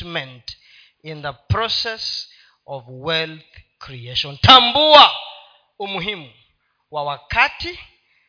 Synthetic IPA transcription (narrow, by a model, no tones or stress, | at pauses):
mɛ̃nt | ĩnðəpʰɾɔsɛs | ɔvwɛlθkʰɾieʃɔ̃ntʰambua | umuɦimu | wawakʰati